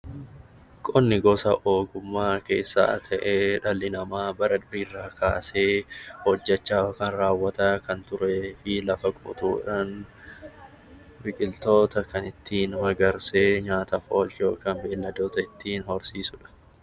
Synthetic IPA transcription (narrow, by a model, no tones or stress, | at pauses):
kʼɔnːɪɡɔsɐʔoːɡʊmːaːke̞̰ːsːa̰ːt̪ʰɐʔeːᶑɐlːɪnɐmaːbɐɾɐd̪ʊɾiːrːaːkʰaːse̞ːhɔd͡ʒːɛt͡ʃːaːkɐnɾaːwːɐt̪ɐkɐnt̪ʊɾe̞ːfɪlɐfɐkʼʊ̰t̪uːᶑaːn | bɪkʼɪlt̪o̞ːt̪ɐkɐnɪt̪ʰːiːnmɐɡɐɾseːɲaːt̪ɐfo̞ːljoːkɐnbe̞ːlːɐd̪oːt̪ɐɪt̪ːiːnhɔɾsiːsʊᶑɐ̥